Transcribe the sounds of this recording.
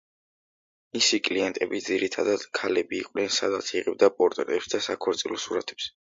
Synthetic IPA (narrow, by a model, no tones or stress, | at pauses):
misikʼliɛnt̪ʼɛbid̪ziɾit̪ʰad̪ad̪̥kʰalɛbiːqʼnɛnsa̰d̪at̪sʰiʁɛb̚d̪apʼɔɾt̪ʼɛɾɛpsd̪asakʰɔɾt̪sʼilɔsuɾat̪ʰɛ̥ps